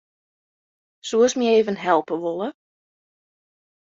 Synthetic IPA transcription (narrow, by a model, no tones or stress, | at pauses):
suəsmieːvənɦɛlˠpəʋolˠə